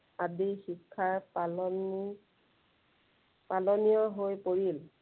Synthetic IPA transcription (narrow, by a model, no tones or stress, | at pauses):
adixikʰːaɹpaln | palɔnijɔɦojpoɹil